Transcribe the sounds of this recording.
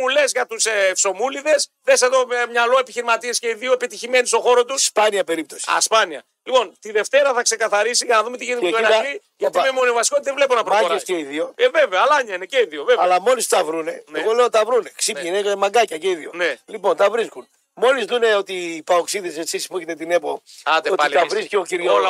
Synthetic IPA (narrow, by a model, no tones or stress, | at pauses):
ule̞zʝɐt̪useːfso̞muliðe̞sðeseðo̞mɲɐlo̞e̞piçiɾimɐt̪iesce̞iðio̞epit̪içime̞nist̪o̞xo̞ɾo̞t̪usspɐniɐpe̞ɾip̚t̪o̞si̥ɐ̰spɐniɐ̰ | lipo̞nt̪iðe̞ft̪e̞ɾɐθɐkse̞kɐθɐɾisiʝɐnɐðumet̪iʝinit̪oenɐi | ʝɐt̪iemoniovɐsi̥ko̞t̪ðevle̞ponɐpɾooeseiðio̞eveveoɐlɐɲɐineceiðiovevɐlɐmo̞list̪ɐvɾune̞neɣo̞le̞ot̪ɐvɾuneksipinemɐɡɐcɐceiðionelipo̞nt̪ɐvɾiskun | mo̞lizðune̞o̞t̪iːpaoksiðesesisi̥puçet̪et̪ine̞poat̪eotpɐlt̪ɐvɾiskeociɾl